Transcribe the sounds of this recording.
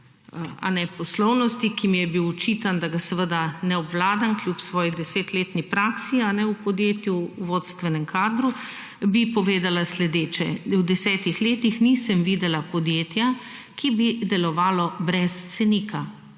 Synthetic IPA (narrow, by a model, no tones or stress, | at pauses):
a̰nɛpɔslɔwnɔst̪ikimijɛbiwɔt͡ʃiːt̪and̪aɡasɛʋəd̪anɛɔbwlaːd̪anklʲjupsʋɔːjid̪ɛseːt̪leːt̪nipɾaːksianɛupɔd̪jeːt̪juʋot̪st̪ʋɛnɛmkaːd̪ɾu | bipɔʋeːd̪alaslɛd̪eːt͡ʃɛwd̪ɛsɛːt̪ixleːt̪ixnisəmʋid̪ɛlapɔd̪jeːt̪ja | kibid̪ɛlɔʋaːlɔbɾɛst̪sɛnika